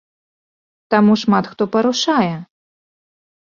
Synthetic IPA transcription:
t̪amuʂmat̪xt̪ɔpɐɾuʂajɛ

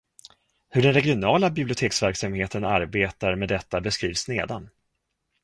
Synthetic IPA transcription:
hɵɖɛnɾɛɡɪʊnɑːlabɪblɪʊt̪ʰeːksvæɾksamheːt̪ənaɾbeːt̪aɾmɛːd̪ːɛt̪ːabɛskɾiːvsneːd̪an

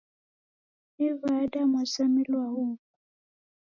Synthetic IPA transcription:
ivadamasamilwaɦuːku

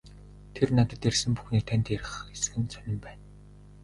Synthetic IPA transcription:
t̪ʰernat̪ə̆t̪ersɘ̆mpu̥xniːt̪ʰænʲt̪ːeɾɘ̆χesɡɘ̆nt͡sœnʲɪ̆mpæːn

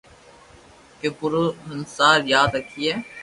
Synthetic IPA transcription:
kepʊɾənsaːɾjaːd̪ɾəkʰːiːɛː

